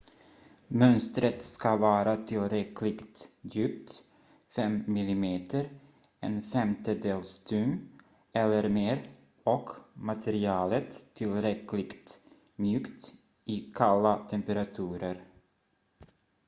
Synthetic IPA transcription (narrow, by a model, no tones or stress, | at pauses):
mœnst̪ɾət̪skavɑːɾat̪ʰɪlɾɛkʰlɪɡt̪jʉːp̚t̪ | fɛmːɪlɪmeːt̪əɾ | ɛ̰nfɛmt̪əd̪eːlst̪ʉm | ɛlːəɾmeːɾ | ɔkmat̪ʰɛɾɪɑːlət̪ʰːɪlɾɛklɪɡt̪ | mjʉːkt̪ | ɪkʰalːat̪ʰɛmpəɾat̪ʰʉːɾəɾ